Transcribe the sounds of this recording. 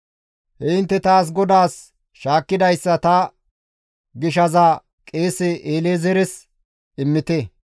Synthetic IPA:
hɛɪnt̪ːɛt̪aːs̬ɡɔd̪aːs | ʃaːkːɪd̪ɐjsːɐt̪ɐ | ɡɪʃ̬ɐzaː | kʼeːsɛʔeːleːzɛɾɛs | ɪmːɪt̪ɛ

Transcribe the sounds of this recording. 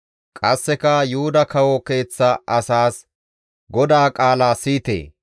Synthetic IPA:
kʼɐsːɛkɐjuʊd̪ɐkɐwɔke̞ːt͡sːɐʔɐsaːs | ɡɔd̪aːkʼaːlaːsiːt̪ḛː

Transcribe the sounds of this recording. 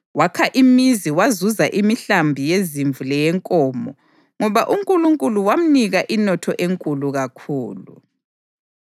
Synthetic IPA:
wakʰaʔimiziwazuzaʔimiɬambʱijeziɱvulɛjɛŋkʼɔːmɔ | ŋɔβaʔuŋkʼuluŋkʼuluwam̩niɣaʔinɔtʰɔʔeŋkʼuluɣakʰuːlṵ

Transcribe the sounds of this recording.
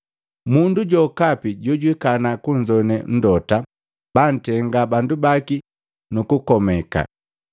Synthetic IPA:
munduɟɔkapiɟɔɟwikanakuɲd͡ʒɔnɛn̩dɔta | b̥an̩tɛŋɡabandubaki | nukukɔmɛka̰

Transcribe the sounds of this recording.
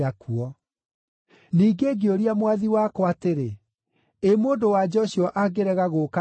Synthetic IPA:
akʰuɔ | niːɡeɡeoɾiamwaðiwakɔateɾe | emoːndowad͡ʒɔɕiɔʔaɡeɾɛɣaɣoka

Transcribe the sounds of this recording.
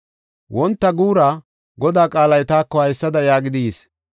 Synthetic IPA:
wɔnt̪ːɐɡuːɾa | ɡɔd̪aːkʼaːlɐjt̪aːkːɔhɐjsːɐd̪ɐjaːɡɪd̪iːs

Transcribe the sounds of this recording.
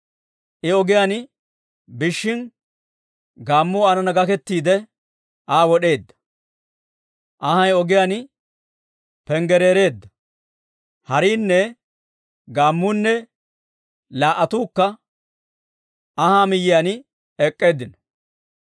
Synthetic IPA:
ʔɪɔɡɪjaːn | bɪʃːɪn | ɡaːmːʊɐnɐnɐɡɐkɛt̪ːiːd̪ɛ | ʔaːwɔɗe̞ːd̪ːɐ̥ | ʔɐhɐjɔɡɪjaːn | pɛŋɡɛɾe̞ːɾe̞ːd̪ːɐ | hɐɾiːnːɛ | ɡaːmːʊnːɛ | laːʔɐt̪uːkːɐ | ɐhaːmɪjɪjaːn | ɛkʼːe̞ːd̪ːɪnɔ

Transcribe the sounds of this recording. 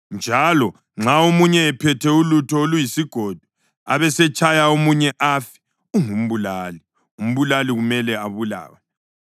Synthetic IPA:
nd͡ʒʱalɔ | ŋ͡ǁaomuɲɛːpʰɛtʰɛulutʰɔolujisiɡ̥ʱod̥ʱu̥ | a̰βɛsɛt͡ʃʰʼajaomuɲɛʔafi̥ | uŋum̩βulaːli | um̩βulaliɣumɛlɛaβula̰ːwɛ

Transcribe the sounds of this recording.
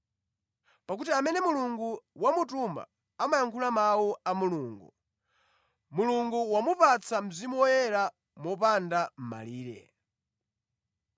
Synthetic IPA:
pak̬utiamɛnɛmuluŋɡuwamutumba̰ | amajaŋkʰulamawuamuluːŋɡṵ | muluŋɡuwamupat͡sʰam̩zimuwɔjɛɾa | mɔpandam̩ma̰liːɾɛ̰

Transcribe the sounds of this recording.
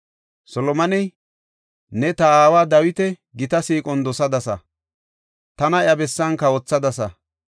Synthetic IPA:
sɔlɔmɐnɛj | nɛt̪ɐaːwaːd̪ɐwɪt̪ɛ | ɡɪt̪ɐsiːkʼɔnd̪ɔsɐd̪ɐsɐ̰ | t̪ɐnɐjɐbɛsːɐnkɐwɔt͡sːɐd̪ɐsɐ

